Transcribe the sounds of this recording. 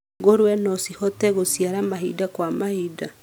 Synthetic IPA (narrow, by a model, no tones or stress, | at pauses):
ɣoɾwɛnɔsihɔtɛɣosiaɾamaɦidakwamahida